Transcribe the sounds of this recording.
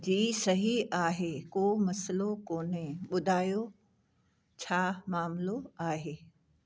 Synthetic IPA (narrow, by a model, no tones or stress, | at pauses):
d͡ʑiːsɐɦiaːɦekoːmɐslokoːnẽɓʊd̪ʱaːjo | t͡ɕʰaːmaːmloaːɦeː